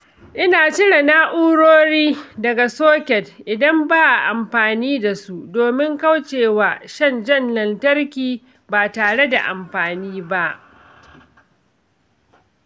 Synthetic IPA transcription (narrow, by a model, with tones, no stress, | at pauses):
ʔɪ˦naː˨t͡ʃɪ˦ɽe˨naː˦ʔuː˦ɽoː˦ɽiː˦dɐ˨ɡa˨soː˦kʲɛ˨dʔɪ˨dɐ˦mbaː˦ʔa˨ʔa˨mɸaː˨niː˦da˨su˦ʔdoː˨mɪ˦ŋka˦wt͡ʃeː˨waː˨ʃɐ˦˨nd͡ʒɐ˦nlɐ˨ntɐ˦rkʲiː˨ | baː˨taː˨ɽe˦da̰˨ʔa̰˨mɸaː˨niː˦ba˦ʔ